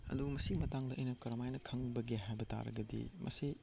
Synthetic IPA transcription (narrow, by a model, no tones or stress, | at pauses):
ɐ̰dumɐsimɐtaŋdɐʔɐjnɐkɐɾɐmajnɐkʰɐŋbɐɡeɦajbɐta̰ɾɐ̰ɡɐdḭmʔɐ̰si